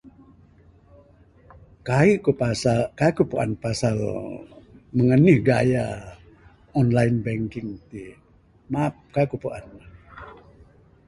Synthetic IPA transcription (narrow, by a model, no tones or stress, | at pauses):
kaikupasakaikupuʔa̰npasal | məŋənihɡaja | ɔnlainbɛŋkɪŋt̪i | map̚kaikupuʔan